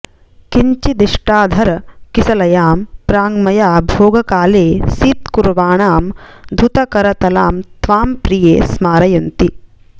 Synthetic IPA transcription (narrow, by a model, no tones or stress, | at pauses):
kiɲt͡ʃid̪iʂʈaːd̪ʱɐɾɐkisɐlɐjaːmpɾaːŋɡmɐjaːbʱoːɡɐkaːleːsiːt̪kuɾʋaːɳaːmd̪ʱut̪ɐkɐɾɐt̪ɐla̰ːmt̪ʋaːmpɾijeːsmaːɾɐjɐnt̪i